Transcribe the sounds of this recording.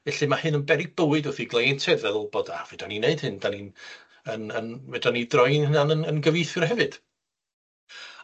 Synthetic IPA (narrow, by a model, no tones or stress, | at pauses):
vɛɬimahɨnənbɛɾib̥əwɨdʊθiɡlˠejɛntʰɛðvɛðlˠbɔda̰vɛd̥anineɨd̥hɨndanin | ənənvɛdanidrɔjnhnanənənɡəviθɨrɦɛvɨd̥